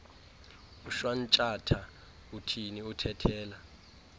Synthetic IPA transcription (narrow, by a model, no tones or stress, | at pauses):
uʃwan̩t͡ʃʼatʰa | utʰiniutʰɛtʰɛːla